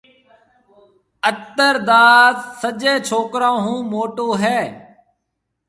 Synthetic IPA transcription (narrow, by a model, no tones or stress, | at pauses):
ət̪əɾd̪aːd̪səd͡ʒeːt͡ʃʰoːkɾãːɦũːmoːʈoːɦɛː